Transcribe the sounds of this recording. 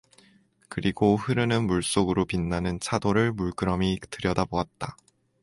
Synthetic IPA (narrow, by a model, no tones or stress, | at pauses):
kɯɾiɡohɯɾɯnɯnmuɭs͈oɡɯɾopinːanɯnt͡ɕʰadoɾɯɭmuɭk͈ɯɾʌmitɯɾjʌdaboat̚t͈a